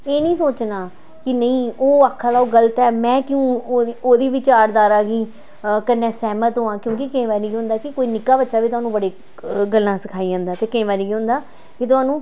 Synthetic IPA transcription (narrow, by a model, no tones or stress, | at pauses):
eːnəĩːsoːt͡ʃnaː | kɪnəĩːoːaːkʰːaːlaːoːɡələt̪ɛːmɛ̃ːkɪũːoːd̪iːʋɪt͡ʃaːɾd̪aːɾaːɡiː | kənːɛ̃ːsɛːmət̪ɦoːãːkjõːkɪkẽːʋaːniːɡiɦʊ̃nd̪aːkɪkoːiːnɪkːaːbətːʃaːʋiːt̪ʊɦaːnũːbəɽeː | ɡəlːãːsəkʰaːiːd͡ʒãːnd̪aːt̪eːkẽːʋaːniːɡiːɦʊ̃nd̪aː | kɪt̪̬ʊaːnũː